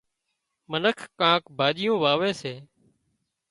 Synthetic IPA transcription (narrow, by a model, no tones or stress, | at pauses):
mənəkʰkãːkbʱaːʄɪjõːʋaːʋeːseː